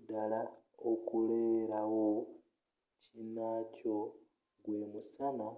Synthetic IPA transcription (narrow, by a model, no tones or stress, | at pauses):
dalaokuleːɾawo | cinaːco̞ | ɡwe̞musana